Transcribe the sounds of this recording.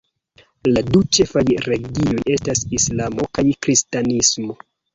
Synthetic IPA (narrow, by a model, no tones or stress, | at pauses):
ladut͡ʃe̞fajɾe̞ɡio̞je̞stasislamo̞kajkɾistanismo̞